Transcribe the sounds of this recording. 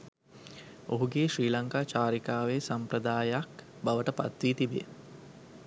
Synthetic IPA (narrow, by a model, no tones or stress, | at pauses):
oɦuɡeːʃɾiːlaŋkaːt͡ʃaːɾikaːʋesampɾəd̪aːjak | baʋəʈəpa̰t̪ʋiːt̪ibej